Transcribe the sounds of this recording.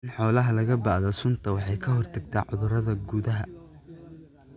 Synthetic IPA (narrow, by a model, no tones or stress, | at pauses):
nħɔːlɐɦɐlɐɣɐbɑːʕðɐsʊnt̪ʰɐwɑħɑjkʰɐɦɔrt̪ʰɐɡ̚t̪ʰaːʕʊðʊrɐðɐɡuːðɐɦɐ